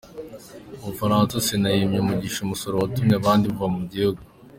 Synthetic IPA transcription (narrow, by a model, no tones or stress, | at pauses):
oβufaɾaːnsasenajimɲomuɟiːʃomusoɾowatumɲeaβaːndiβuvamuɟihuɡu